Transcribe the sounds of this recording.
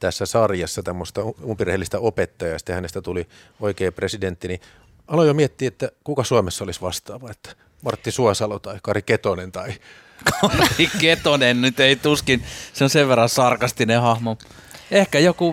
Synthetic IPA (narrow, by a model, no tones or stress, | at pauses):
t̪æsːæsɑrjɑsːɑt̪æmːost̪ɑuumpirehelːist̪æopet̪ːɑjɑjɑsi̥t̪ːehænest̪æt̪uli | oikeːpresident̪ːini | ɑlojomiet̪ːiːet̪ːækukɑsuɑmesːɑolisʋɑst̪ɑːʋɑet̪ːæ̥ | mɑrt̪ːisuɑsɑlot̪ɑikɑriket̪onent̪ɑi | kʰɑriket̪onennyt̪eit̪uskinseonseʋʋerːɑsɑrkɑst̪inehɑhmoehkæjoku